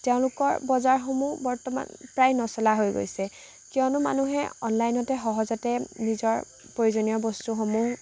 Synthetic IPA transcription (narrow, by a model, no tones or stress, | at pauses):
tɛʊ̃lʊkɔɹbɔzaɹxomuɦbɔɹtɔma̰npɹajnɔsɔlaɦojɡo̰jsɛ | kiɔnʊma̰nuɦɛɔnlajnɔtɛxɔɦɔzɔtɛnizɔɹ | pɹojuzonijɔbɔstuxomuɦ